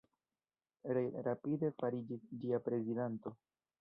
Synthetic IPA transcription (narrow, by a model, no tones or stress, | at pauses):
ɾɾapide̞faɾid͡ʒisd͡ʒiapɾe̞zidanto̞